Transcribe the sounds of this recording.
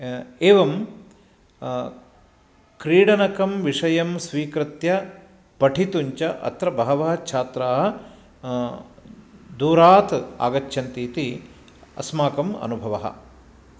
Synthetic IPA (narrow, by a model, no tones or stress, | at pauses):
eːʋɐm | kɾiːɽɐnɐkɐmʋiʂɐjɐmsʋiːkɾɨt̪jɐ | pɐʈʰit̪uɲt͡ʃɐʔɐ̰t̪ɾɐbɐɦɐʋɐɦɐt͡ʃʰaːt̪ɾaːɦɐ̆ | d̪uːɾaːt̪a̰ːɡɐt͡ʃʃʰɐnt̪iːt̪i | ɐ̰smaːkɐmɐ̰nubʱɐʋɐɦɐ̰̆